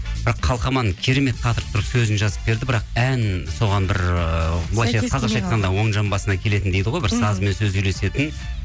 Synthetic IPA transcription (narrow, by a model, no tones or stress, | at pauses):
bɪɾɑqʰːɑlˠqɑmɑnəɴkʲʰeɾe̞me̞t̪̚qʰɑt̪əɾəpt̪ʰʊɾəsɵzɪnʒɑzəp̚be̞ɾd̪ɪbɪɾɑqænso̞ʁɑnbɪɾblˠɑjɑqʰɑzɑqʃɑjt̪qɑnd̪ɑwo̞ɴʒɑmbɑsənɑkʲʰe̞le̞t̪ɪnd̪ejd̪ɪʁo̞jbɪɾsɑzme̞nsɵzyjle̞se̞t̪ɪn